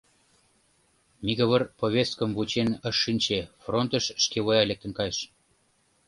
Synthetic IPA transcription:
miɣə̆βərpoβʲest̪̚kəmβut͡ɕenəʃːinʲt͡ɕefront̪ə̆ʃːkeβojɑlek̚t̪ə̆nkɑjʃ

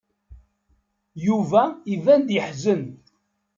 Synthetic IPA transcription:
juvæivænd̪jəħzən

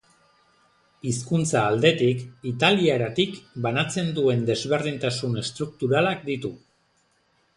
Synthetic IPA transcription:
iskunt͡saːld̪e̞t̪ikit̪aliaeɾat̪ikbanat͡se̞nd̪ue̞nd̪e̞zβe̞rðint̪asune̞st̪ɾuk̚t̪uɾalak̚d̪it̪u

